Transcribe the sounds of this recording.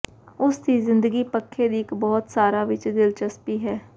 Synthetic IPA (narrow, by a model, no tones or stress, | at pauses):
ʊst̪iːzɪ̃nd̪əɡiːpəkʰːed̪iːɪkbɔːt̪saːɾaːʋɪt͡ʃd̪ɪlt͡ʃəspiːɦɛː